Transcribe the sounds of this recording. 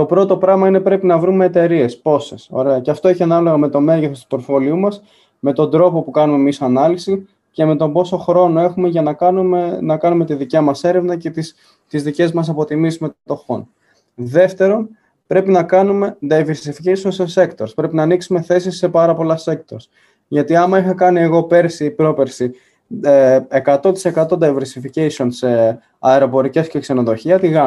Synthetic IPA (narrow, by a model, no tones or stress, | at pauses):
t̪o̞pɾo̞t̪o̞pɾɐɣmɐine̞pɾe̞pinɐvɾume̞ːt̪e̞ɾie̞spo̞se̞̰so̞̰ɾe̞ɐceɐft̪o̞eçiɐnɐlo̞ɣɐme̞t̪o̞me̞ʝeθost̪u̥po̞ɾfo̞liumɐs | me̞t̪o̞nd̪ɾo̞po̞pukɐnume̞misoɐnɐlisi | ce̞me̞t̪o̞bo̞so̞xɾo̞no̞e̞xume̞ʝɐnɐ | nɐkɐnume̞t̪iðicɐmɐse̞ɾe̞vnɐce̞t̪is | t̪izðice̞zumɐs̬ɐpo̞t̪imisiuzme̞t̪ont̪o̞xo̞̰n | ðe̞ft̪e̞ɾo̞n | pɾe̞pinɐkɐnume̞d̪ɐjve̞ɾsificeisio̞nsese̞kt̪o̞ɾspɾe̞pinɐːniksume̞θe̞sisːe̞pɐɾɐpo̞lɐse̞k̚t̪o̞ɾs | ʝɐt̪iɐmɐixɐkɐnie̞ɣo̞pe̞ɾsiːpɾo̞pe̞ɾsi | ekɐt̪o̞t̪i̥se̞kɐt̪o̞d̪ɐjve̞ɾsificesio̞nse̞ | ɐeɾo̞po̞ɾice̞scekse̞no̞ðo̞çiɐt̪iɣɐ